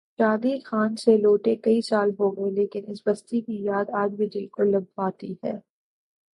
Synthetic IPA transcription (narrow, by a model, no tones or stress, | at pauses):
ʃaːd̪iːlxaːnseloːʈekɐisaːlɦoːɡɐeleːkɪnɪsbɐst̪ikijaːd̪aːd͡ʒbʱid͡ʒɪlkolɐbʋaːt̪ihɛː